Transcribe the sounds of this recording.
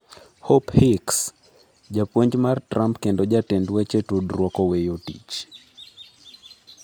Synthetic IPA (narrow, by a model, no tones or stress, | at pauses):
hɔphiks | d͡ʒapwoɲd͡ʒmartɾʔampkendɔd͡ʒatendwɛt͡ʃetudrwɔkɔwejotḭt͡ʃ